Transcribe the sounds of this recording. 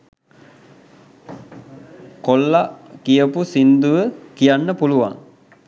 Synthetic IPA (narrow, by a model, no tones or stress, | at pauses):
kolːakijəpusind̪uʋəkijanːəpuluʋa̰ŋ